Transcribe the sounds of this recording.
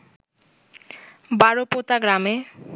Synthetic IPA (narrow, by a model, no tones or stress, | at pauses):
baɾopot̪aɡɾame